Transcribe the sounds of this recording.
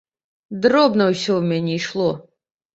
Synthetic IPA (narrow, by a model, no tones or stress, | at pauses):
d̪ɾɔbnɐwsʲɔwmʲɛnʲiːʃlˠɔ